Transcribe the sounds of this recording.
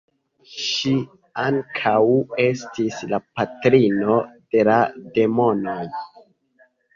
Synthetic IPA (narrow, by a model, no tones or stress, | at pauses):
ʃi | aŋkʰawe̞stislapatɾino̞d̥e̞lade̞mo̞noj